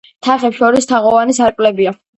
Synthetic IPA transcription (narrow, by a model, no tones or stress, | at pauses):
t̪ʰaχɛpʃɔɾist̪ʰaʁɔvanisaɾkʼlɛbia